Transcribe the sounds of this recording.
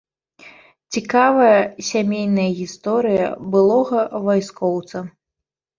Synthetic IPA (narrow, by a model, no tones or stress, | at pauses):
t͡sʲikavɐjɐsʲamʲejnɐjɐɣʲist̪ɔɾɨjɐ̰bɨlˠɔɣɐvajskɔwt̪sɐ